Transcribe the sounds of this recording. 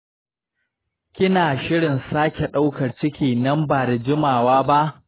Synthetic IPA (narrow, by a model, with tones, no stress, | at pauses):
kʲɪ˦naː˨ʃɪ˦ɽɪ˨nsaː˦kʲe˨ɗa˦wkɐ˨rt͡ʃɪ˦kʲiː˨nɐ˦mbaː˨da˨d͡ʒɪ˦maː˨waː˦ba˦ʔ